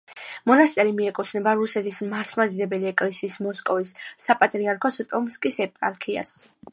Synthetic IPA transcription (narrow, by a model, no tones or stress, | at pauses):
mɔnast̪ʼɛɾimiɛkʼut̪ʰnɛbaɾusɛt̪ʰismaɾt̪ʰmad̪id̪ɛbɛliɛkʼlɛsiːsmɔskʼɔvisːapʼat̪ʼɾiaɾkʰɔsɔt̪ʼɔmskʼisɛpʼa̰lkʰia̰s